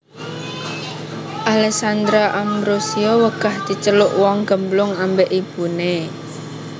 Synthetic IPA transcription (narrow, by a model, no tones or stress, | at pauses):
ʔalɛk̚sand̪ɾaʔambɾosiɔwəkahd̪̥i̤t͡ʃəlʊʔwɔŋɡ̥əmblʊŋambeʔib̥une